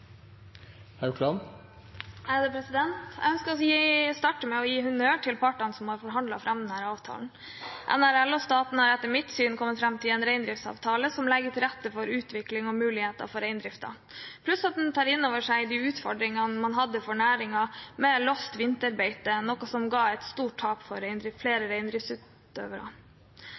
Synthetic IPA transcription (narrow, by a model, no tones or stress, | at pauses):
hɑkʰlɑn | æd̪ɛpʰɾɛsɪd̪ɛnt̪æ̰ɪœnskəɾɔɔjiːst̪ɑːʈəmɛɔjiːhʉnøːʈʰɪlpʰɑʈːɑnsɔmhɑɾfɔɾɦɑnd̪lɑfɾʔɑmːd̪ɛnhæːɾɑːʋt̪ʰɑ̰ːln̩ | ʔɛ̰næɾɛlːɔst̪ɑːt̪n̩hɑɾɛt̪ːəɾmɪt̪syːnkʰɔmːət̪fɾɑmt̪ʰɪlɛnɾæɪnd̪ɾɪft̪sɑ̰ːʋt̪ʰɑːləsɔmlɛɡːəʈ̪ʰɪlɾɛt̪ːəfɔɾʉːt̪ʋɪklɪŋɔmʉːlɪheːt̪ɑ̰fɔɾæɪnd̪ɾɪft̪ɑ̰ | pʰlʉsɑt̪̚d̪ɛnt̪ʰɑːɾɪnːoːʋəʂæɪd̪iʉːt̪fɔɖɾɪŋɑmɑnɦɑd̪ːəfɔɳæːɾɪŋɑmɛlɔst̪ʋɪnt̪əɾbeɪt̪ənɔkɔsɔmɡɑːɛt̪st̪uːʈ̚ʰɑːpfɔɾɛɪnd̪ɾɪfleːɾəɾæɪnd̪ɾɪftsʉt̪ | ø̰ːʋəɾɑ̰